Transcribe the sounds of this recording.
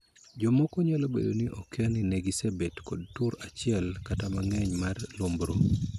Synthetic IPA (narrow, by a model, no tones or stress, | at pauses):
d͡ʒɔmɔkoɲalobḛdoniʔokɛnineɡisabetkɔd̚tuɾat͡ʃɪɛlkatamaŋɛɲmarlombɾo